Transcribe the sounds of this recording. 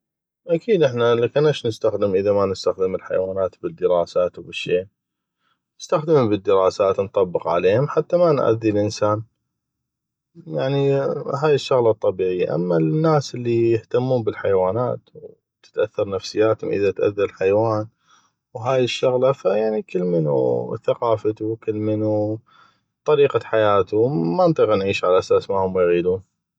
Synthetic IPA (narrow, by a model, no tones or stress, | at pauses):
ʔakʰiːd̪ʔɪħnalakɪnːaʃnəst̪axd̪əmʔəðamanɪst̪axd̪ɪmɪlħa̰jwaːnaːt̪bɪd̪ːəɾɑːsaːt̪wbɪʃːeː | nɪst̪axd̪ɪmubəd̪ːəɾɑːsaːt̪nt̪ˤɑbːəqʕa̰leːhʊmħat̪ːamanʔa̰ðːilʔənsaːn | jaʕniɦaːjɪʃːʊɣlɑt̪ˤːɑbiːʕɪjːa̰ʔa̰mːanːaːsʔɪlːijɪht̪amːuːmbɪlħajwaːnaːt̪ | t̪ɪ̥t̪ʔaθːɑɾˤnafsɪjːaːt̪hʊ̰mʔə̰ðat̪ʔa̰ðːallħajwaːn | wɦaːjɪʃːʊɣlafajaʕnikɪlːmɪnṵθaqɑːfat̪ukɪlːmɪnu | t̪ˤɑɾiːqaħajaːt̪ʊmant̪ˤiːɣnʕiːʃʕalaʔasaːsmahʊmwjɣiːd̪uːn